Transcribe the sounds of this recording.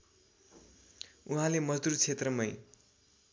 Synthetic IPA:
uɦãlemʌd͡zd̪urt͡sʰet̪rʌmʌj

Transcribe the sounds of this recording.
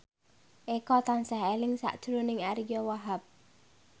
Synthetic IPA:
ʔekɔt̪ansaɦelɪŋsa̰ʔd̥ʒ̥ɾunɪŋaɾijɔwaɦap̚

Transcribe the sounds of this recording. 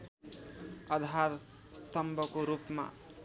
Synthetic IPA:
ʌd̪ʱaɾ | st̪ʌmbʱʌkoɾupma̰

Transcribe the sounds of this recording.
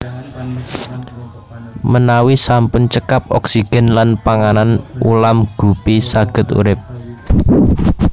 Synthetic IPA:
mənawisampʊnt͡ʃəkap̚ɔ̰ksiɡ̥ɛ̤nlanpaŋananṵlamɡ̥ṳpisaɡ̥ə̤t̪ṵɾɪp̚

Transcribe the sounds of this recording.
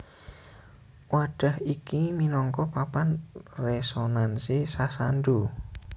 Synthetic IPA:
waɖ̥a̤hikiminɔŋkɔpapanresonansisasanɖu

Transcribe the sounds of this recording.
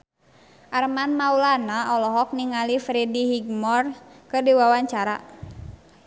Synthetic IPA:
ʔarmanmaulanaɔlɔɦɔk̚niŋalifɾɛdiɦiɡmɔrkɨdiwawaɲt͡ʃaɾa̰

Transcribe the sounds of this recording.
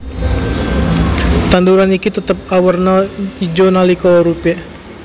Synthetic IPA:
t̪and̪uɾanikit̪ət̪əp̚awərnaid͡ʒonalikɔɔɾupɛ

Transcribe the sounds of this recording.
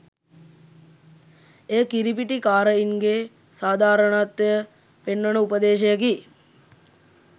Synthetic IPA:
eːkiɾipiʈikaːɾəiŋɡe | saːd̪ʱaːɾəɳaːt̪ʋejə | penːənəupəd̪eːʃejəki

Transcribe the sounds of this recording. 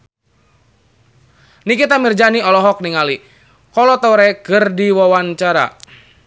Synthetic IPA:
nikit̪amird͡ʒaniɔlɔɦɔk̚niŋali | kɔlɔt̪ɔɾɛɡərdiwɔwant͡ʃaɾa̰

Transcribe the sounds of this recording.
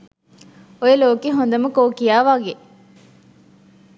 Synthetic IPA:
ojeloːkeɦond̪ɐməkoːkijaːʋaɡe

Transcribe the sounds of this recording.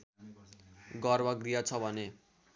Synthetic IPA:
ɡʌrbʌɡrijat͡sʰʌbʱʌne

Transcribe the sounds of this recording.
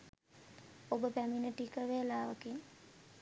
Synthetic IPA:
obəpæminəʈikəʋelaːʋəkin

